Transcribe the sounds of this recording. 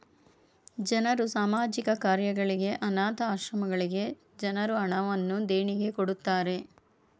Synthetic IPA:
d͡ʒɐnɐɾusaːmaːd͡ʒikɐkaːɾjɐɡɐɭiɡe̞ʔɐnaːt̪ɐaːʃɾɐmɐɡɐɭiɡe̞ | d͡ʒɐnɐɾuɐɳɐʋɐnːud̪eːɳiɡe̞koɽut̪ːaːɾe̞

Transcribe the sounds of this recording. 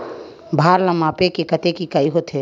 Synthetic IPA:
bʱaɾlamapekekət̪ekikajɦot̪ʰe

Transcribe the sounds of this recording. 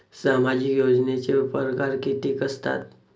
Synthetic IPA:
samad͡ʑikjod͡znet͡seupɾəkaɾkit̪ikəst̪a̰t̪

